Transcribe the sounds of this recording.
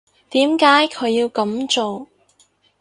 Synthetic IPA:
t̪iː˨˥mkaː˨˥jkʰɵ˨˧ɥjiː˧wkɐ˨˥mt͡ʃo˨w

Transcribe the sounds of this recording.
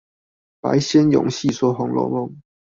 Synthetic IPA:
pa̰˨˥˦ɪɕjɛ˦˥njʊ̰˨˩˦ŋɕi˥˨swɔ˥xʊ˨˧˥ŋlɔ̰˧˥mʊ˧˥˦ŋ

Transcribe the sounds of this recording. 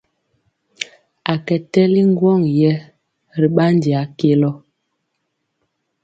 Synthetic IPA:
a˨kɛ˨tɛ˦li˦ŋ˦ɡwɔ˦˨ŋjɛ˦ | ɾi˨ɓa˦n˦di˨a˨˦ke˦lɔ˦

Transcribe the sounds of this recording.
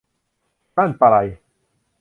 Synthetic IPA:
ma˦˨npa˨ɾa˨j

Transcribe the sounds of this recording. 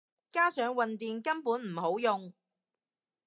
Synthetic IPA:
kaː˥sœː˨˥ŋwɐ˨nt̪iː˨nkɐ˥npuː˨˥nm̩˨˩ɦo˨˥wjʊ˨ŋ

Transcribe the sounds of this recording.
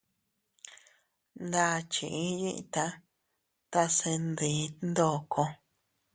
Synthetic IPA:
nd̪a˧˦˨t͡ʃi˨ʔĩ˦ji˦ʔt̪a˧ | t̪a˧sẽ˧nd̪i˨˦nd̪o˦˨kʰo˧

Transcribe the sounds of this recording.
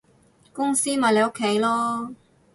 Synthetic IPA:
kʊ˥ŋsiː˥maː˨jle˨˧jʊ˥kʰːe˨˥jlɔː˥

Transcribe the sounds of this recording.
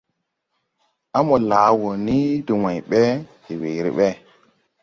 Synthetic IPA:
a˦mo˨laː˨˦wo˨ni˦du˨wa˨jɓɛ˦ti˨we˨ɾḭ˨ɓɛ˦

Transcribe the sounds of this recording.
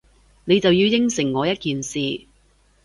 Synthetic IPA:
ne˨˧jt͡sɐ˨wjiː˧wjɪ˥ŋsɪ˨˩ŋːɔː˨˧jɐ˥t̚kiː˨nsiː˨

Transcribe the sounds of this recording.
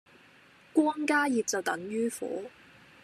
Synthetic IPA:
kʷwɔː˥ŋkaː˥jiː˨p̚t͡sɐ˨wt̪ɐ˨˥ŋɥyː˥fṵː˨˥

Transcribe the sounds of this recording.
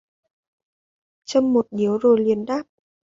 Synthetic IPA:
t͡ɕə˧mːo˨˩t̚ɗi˨˦əwzo˨˩jli˨˩ənɗaː˦˥p̚

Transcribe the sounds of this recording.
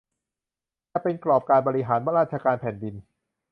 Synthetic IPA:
ɛː˧˩pe˧nklɔː˨˩p̚kaː˧nbɔː˧ɾi˧ɦaː˩˦nwa˦˥ɾaː˥˩t̚t͡ɕʰa˧kaː˧npʰɛː˨˩˦ndi˧n

